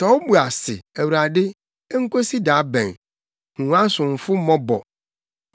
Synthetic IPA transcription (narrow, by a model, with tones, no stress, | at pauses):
tɔ˨˦bu˨a˨sɪ˨æ˨wu˨ɾa˨dɪ˦ | ŋ̩˦ko˦si˦daː˨˦bɛ̰̃˨ŋ | hũ˨wã˦sʊ̃˨ɱ̩˨fʊ˦mɔ̃˦bɔ̰˨